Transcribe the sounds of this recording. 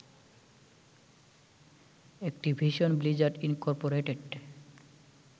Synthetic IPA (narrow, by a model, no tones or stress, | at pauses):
ek̚ʈibʱiʃonblid͡ʑaɾʈinkɔɾpoɾeʈeɖ